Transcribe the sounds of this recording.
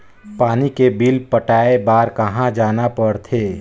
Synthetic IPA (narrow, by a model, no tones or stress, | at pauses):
paːnikebilpəʈaːebaːɾkɐɦãd͡ʒaːnapəɽt̪ʰeː